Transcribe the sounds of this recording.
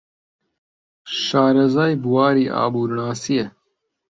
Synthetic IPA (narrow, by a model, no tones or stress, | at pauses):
ʃaːɾɐzaːjbuwaːɾiːʔa̰ːbuːɾɳaːsije